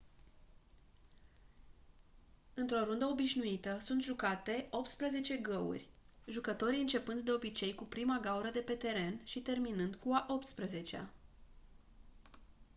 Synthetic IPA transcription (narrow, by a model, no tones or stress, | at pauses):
ɨnt̪ɾo̞ɾund̪əo̞biʃnuit̪əsunt̪ʒukat̪e̞ʔo̞p̚t̪spɾeze̞t͡ʃe̞ɡəṵrʲ | ʒukət̪o̞ɾiɨnt͡ʃe̞pɨnd̪d̪e̞o̞bit͡ʃe̞jkupɾimaɡauɾəd̪e̞pe̞t̪e̞ɾe̞nʃit̪e̞rminɨnd̪kuaʔo̞p̚t̪spɾeze̞t͡ʃea̰